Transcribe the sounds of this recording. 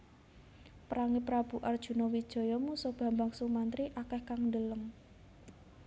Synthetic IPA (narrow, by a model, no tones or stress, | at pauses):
pɾaŋipɾab̥ṳʔard̥ʒ̥ṳnɔwid̥ʒ̥ɔ̤jɔmusɔb̥ä̤mbaŋsumant̪ɾiʔakɛhkaŋnd̪ələm